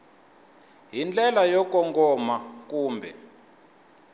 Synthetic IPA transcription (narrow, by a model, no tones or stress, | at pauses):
ɦind͡ɮʼɛlajɔkɔŋɡɔmakuːmbʱɛ